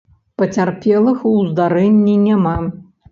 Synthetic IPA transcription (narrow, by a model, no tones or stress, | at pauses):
pɐt͡sʲarpʲɛlˠɨxuzd̪aɾɛnʲːinʲama